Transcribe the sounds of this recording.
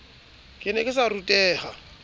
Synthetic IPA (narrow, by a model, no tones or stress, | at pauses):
kʼɪnɛkʼɪsarutʼɛːha